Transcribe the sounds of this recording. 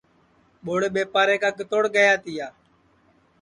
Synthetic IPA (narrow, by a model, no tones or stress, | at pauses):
ɓoːɽeːɓeːpaːɾeːkaːkɪt̪oːɽɡəjaːt̪ɪjaː